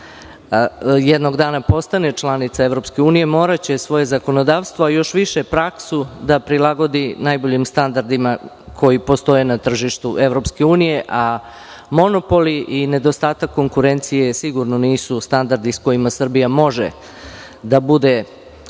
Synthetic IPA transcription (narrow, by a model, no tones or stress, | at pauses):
jɛd̪noɡd̪aːnapo̞st̪anet͡ʃlˠanit̪saevɾo̞pske̞uːnije̞mo̞ːɾat͡ɕe̞sʋo̞je̞zako̞no̞d̪aːʋst̪vʋoajo̞ʃʋiʃepɾaksud̪apɾilˠaɡo̞d̪inajbo̞ʎimst̪and̪aɾd̪ima | kʰo̞jipo̞st̪o̞je̞nat̪r̩ʒiʃt̪uʔeʋɾo̞pske̞uːnije̞ʔa | mo̞no̞po̞liʔine̞d̪o̞st̪aːt̪akːo̞ŋkuɾe̞nt̪sije̞siɡuɾnoniːsust̪and̪aɾd̪isko̞imasr̩bijamo̞ʒḛ | d̪abud̪e̞